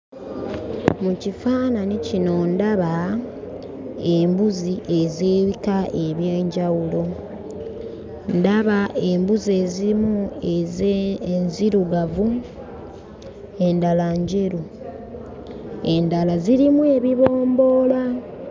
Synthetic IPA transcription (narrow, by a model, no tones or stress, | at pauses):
mucifaːnanicino̞ndaβa | e̞mbuziʔe̞zeːβikaʔe̞βjeːɲɟawulo̞ | ndaβaʔe̞mbuze̞ziimu | nziɾuɡavu | e̞ndalaɲɟe̞ɾu | e̞ndalaziɾimue̞βiβoːmbo̞ːla